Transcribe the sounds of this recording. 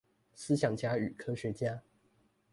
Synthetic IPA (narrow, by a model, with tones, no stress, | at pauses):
sɹ̩˥ɕjɑ˨˩ŋt͡ɕja˥y˨˩kʰɤ˥ɕɥɛ˧˥t͡ɕja˥